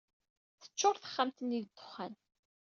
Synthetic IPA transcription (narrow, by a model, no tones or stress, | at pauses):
θə̥t͡ʃːʊɾθə̥χːamt̪əniðd̪ːʊ̥χːæn